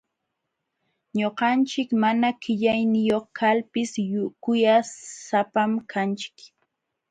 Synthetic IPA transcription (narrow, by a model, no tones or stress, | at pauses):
ɲoqɑnt͡ʃɪkmanakɪʎajnɪjoχkʰalpɪsjʊkʊjasapamkʰant͡ʃɪ̥k